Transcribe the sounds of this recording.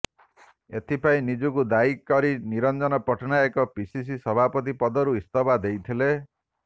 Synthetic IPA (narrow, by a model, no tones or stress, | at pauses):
et̪ʰipaĩnid͡ʒukud̪aikːɔɾiniɾɔnd͡ʒɔnɔpɔʈʰɔnaekɔpisis̬isɔbʱapɔt̪̬ipɔd̪ɔɾuist̪ɔbad̪ejt̪ʰile